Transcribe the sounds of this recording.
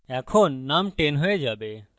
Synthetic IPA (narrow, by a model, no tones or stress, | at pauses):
jãːkʰoːnːaːmʈeːnɦoed͡ʒaːbe